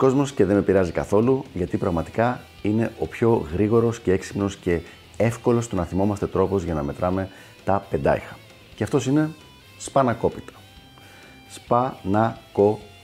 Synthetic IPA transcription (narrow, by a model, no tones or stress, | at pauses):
ko̞zmo̞sce̞ðe̞mepiɾɐzikɐ̰θo̞luʝɐt̪ipɾɐɣmɐt̪i̥kɐ | ine̞ʔo̞pço̞ɣɾiɣo̞ɾo̞sce̞eksi̥pno̞sce̞ | e̞fko̞lo̞st̪unɐθimo̞mɐst̪e̞t̪ɾo̞po̞zʝɐnɐme̞t̪ɾɐme̞ | t̪ɐpe̞nd̪ɐ̰ixɐ̥ | ceɐft̪o̞sine̞ | spɐnɐko̞pi̥t̪ɐ̥ | spɐnɐko̞